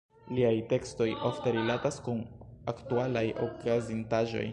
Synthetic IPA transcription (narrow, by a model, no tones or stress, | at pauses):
liajte̞ksto̞jʔofte̞ɾilataskunaktualajʔo̰kazintaʒo̞̰j